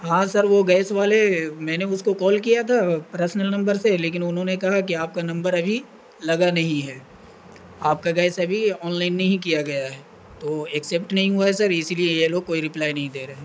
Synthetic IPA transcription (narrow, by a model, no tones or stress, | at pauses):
ɦãsɐɾʋoɡɛːsʋaːlemɛ̃ːneʊskokɔːlkijat̪ʰapɐɾsnəlnɐ̃mbəɾseleːk̬ɪnʊnɦõnekɐɦak̬iaːp̚kanɐ̃mbəɾɐbʱi | lɐɡanɐɦĩɦɛː | aːp̚kaɡɛːsɐbʱiɔːnlaːɪnːɐɦĩkijaɡɐjaɦɛː | t̪oɛksɛpʈnɐɦĩɦuaɦɛsɐɾɪsiliejeloːɡ̚koːiɾɪplaːinɐɦĩd̪eːɾɐɦẽː